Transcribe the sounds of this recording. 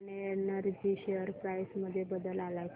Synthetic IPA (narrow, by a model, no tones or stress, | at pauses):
nenəɾd͡ʑiɕejəɾpɾajsməd̪ʱːjebəd̪əlalajk